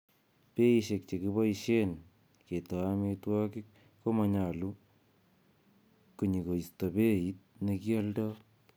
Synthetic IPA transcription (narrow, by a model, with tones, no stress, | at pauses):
pe˦iʃe˨k̚t͡ʃe˨kibɔ˦iʃen | ke˨ta˨ame˧twɔ˦kik̚ː | o˦maɲa˨lu˦ | ku˨ɲi˨ko˨ista˨pe˦it̚ne˧kialdɔ˦